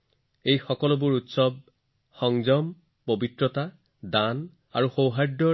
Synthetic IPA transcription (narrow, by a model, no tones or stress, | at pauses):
ejxɔkɔlɔbʊɹutsɔb̚ | xɔŋzɔm | pobitɹɔta | dan | aɹuxowɦajdɔ